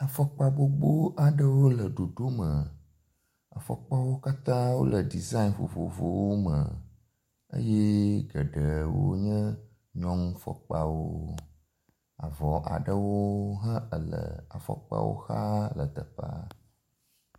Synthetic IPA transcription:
a˨fɔ˦k͡pa˨bo˦ɡ͡bo˦a˨ɖə˦wo˦lə˨ɖo˨ɖo˦mə˨ | ə˨fɔ˨k͡pa˦wo˦ka˦t̪ã˦wo̰˦lə˨ɖi˨za˦i˦nfo̰˨vo˨vo˨wo˦mə˨ | ə̰˦jɛ˦ɡə˨ɖə˨wo̰˦ɲə̃˦ | ɲɔ̃˦ŋũ˦fɔ̰˨k͡pa˦wo˦ | a˨vɔ˨ʔa̰˨ɖə˦wo˦ɦə̃˦ə˨lə̰˨a˨fɔ̰˨k͡pa̰˦wo̰˦xa˦lə˨t̪ə˨pa̰˦

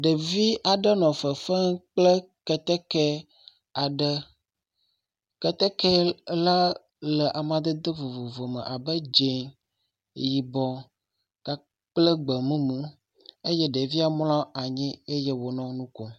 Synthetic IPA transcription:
ɖe˨vi˦ʔa˨ɖə˦nɔ̃˨fə˨fə˦k͡plə˦ | kɛ˨t̪ɛ˦kɛ˦ | a˨ɖə˦ | kɛ˦t̪ɛ˦kɛ˦la˦ | lə˨ʔa˨mã˨d̪ə˦d̪ə˦vo˨vo˨vo˨mə̰̃˨ʔa˨bə˦d͡ʒe˨ŋ | ji˨bɔ̃˨ | ka˨ | k͡plə˦ɡ͡bə˨mũ˦mũ˦ | e˦jɛ˦ɖe˨vi˦a˨mlã˦a˨ɲĩ˦e˦je˦wo˨nɔ̃˦nũ˦kɔ˦

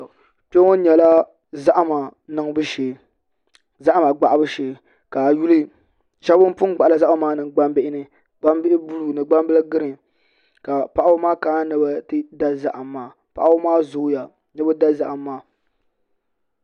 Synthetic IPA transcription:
pe˦ŋo˦ɲɛ˨la˦ | za˦ʔa˦ma˨nɨ˨ŋ˦bɨ˦ʃeː˨ | za˦ʔa˦ma˨ɡ͡ba˨ʔa˦bɨ˦ʃeː˨ | ka˨ju˦lɨ˦ | ʃa˦bʊ˦m˦pʊ˦n˦ɡ͡ba˨ʔa˨la˨za˦ʔmaː˦nɨ˨ŋ˨ɡ͡ba˦mbɪ˦ʔɪ˦nɨ˨ | ɡ͡ba˦mbɪ˦ʔɪ˦bu˦lu˨nɨ˨ɡ͡ba˦m˦bɨ˦lɨ˦ɡɨ˦ɾɨ˨ | ka˨pa˦ʔa˦bʊ˦maː˦ka˨˦nɨ˨ba˦tɨ˦da˦za˦ʔa˨mːaː˦ | pa̰˨ʔa˦bʊ˦maː˦zʊ˨˦ja˨ | nɛ˦bɨ˦da˦za˨ʔa˨mːaː˦

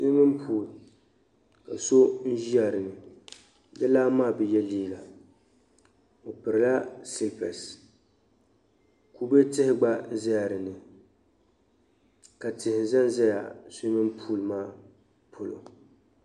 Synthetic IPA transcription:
sʊ˦mɨ˦m˦pʰuː˨l | ka˨so˦n̩˦ʒi˦a˨ɾɨ˨nɨ˨ | dɛ˦laː˦maː˦˨bɛ˨jɛ˦liː˦ɡa˨ | o˨pɨ˨ɾɪ˨la˦sɪ˦lpɛ̰˨s | ku˨be˦tɪ˦hɪ˦ɡ͡ba˦n̩˦zɪ˦a˨ɾɨ˨nɨ˨ | ka˨tɪ˨hɪ˨n˨za˦n˦zɛ˦ja̰˨sʊ˦mɨ˦m˦pʰuː˦˨lmaː˦ | pʰo˨lo̰˨

